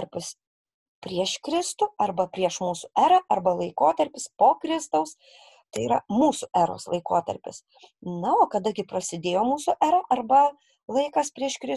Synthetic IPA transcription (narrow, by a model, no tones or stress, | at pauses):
ɾʲpʲɪs | pʲɾʲiɛʃkɾʲɪst̪ʊɐrbɐpʲɾʲiɛʃmuːsʊʔæːɾɐʔɐrbɐlˠɐɪkoːt̪ɐɾʲpʲɪspoːkɾʲɪst̪ɐʊs | t̪ɐɪiːɾɐmuːsʊʔæːɾo̰ːslˠɐɪkoːt̪ɐ̰ɾʲpʲɪ̰s | nɐoːkɐd̪ɐɡʲɪpɾɐsʲɪd̪ʲeːjoːmuːsʊʔæːɾɐʔɐrbɐ | lˠɐɪkɐspʲɾʲiɛʃkɾʲɪ